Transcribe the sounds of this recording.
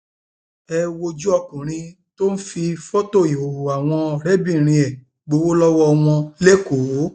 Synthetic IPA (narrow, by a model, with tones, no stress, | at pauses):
ɛ˧wo˧d͡ʒu˦ɔ˧kũ˨ɾ̃ĩ˧ | to˦n̩˦fi˧fo˦to˦˨i˨o˨u˨a˨w̃ɔ̃˧˨ɾe˦bĩ˦˨ɾ̃ĩ˧ɛ˨ | ɡ͡bo˧˦wo˦lɔ˦wɔ˦˧w̃ɔ̃˧le˦ko˨˦